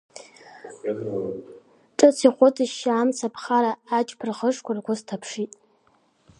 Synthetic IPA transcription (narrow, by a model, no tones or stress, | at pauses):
ʈ͡ʂʼɨt͡sʰiχʷʊtʰʼɨʃaːmt͡sʰapʰχaɾaːt͡ʃʼpʰɨrʁəʂkʷarɡʷʊztʰapʰʂitʼ